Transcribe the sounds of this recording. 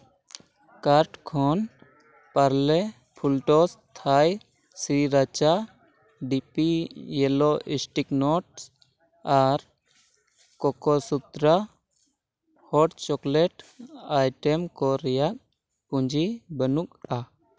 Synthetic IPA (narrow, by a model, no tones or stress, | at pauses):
kaɾʈkʰɔn | paɾlɛ | pʰulʈɔst̪ʰaj | siɾat͡ʃa | ɖipijɛlɔʔisʈiknɔʈs | aɾ | kɔkɔsut̪ɾa | hɔʈt͡ʃɔklɛʈajʈɛmkɔɾɛjak̚ | pũɲd͡ʒʱibənuk̚a